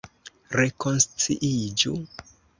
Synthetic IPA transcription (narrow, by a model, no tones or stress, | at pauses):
ɾe̞ko̞nst͡sḭʔid͡ʒu